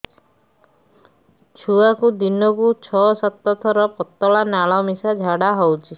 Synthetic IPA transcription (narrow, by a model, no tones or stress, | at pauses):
t͡ʃʰuakud̪inɔkut͡ʃʰɔsɔt̪ːɔt̪ʰɔɾɔpɔt̪ːɔɭanaɭɔmisad͡ʒʱaɽaɦɔwt͡ʃʰi